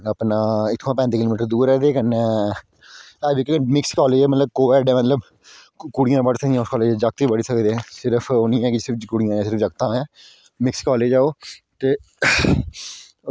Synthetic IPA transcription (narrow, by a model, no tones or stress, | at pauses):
əpnaːɪk̪ʰːãːpɛ̃ːnd̪eːkɪloːmiːʈəɾd̪uːɾɛːd̪eːkənɛ̃ː | aːbːkːmɪkskɔːleːd͡ʒɛːmət̪ləb̚koːʋɛːɖɛ̃ːmət̪ləb | kuɽɪjãːbəɽsəkd̪ijãːʊskɔːleːd͡ʒɛːd͡ʒək̚t̪iːbəɽsəkd̪eːɛ̃ːsɪɾəpʰoːnĩːɛ̃ːkɪsɪɾpʰkʊɽijãːɛ̃ːsɪɾəfd͡ʒəkt̪ãːɛː | mɪkskɔːleːd͡ʒaːoː | t̪eː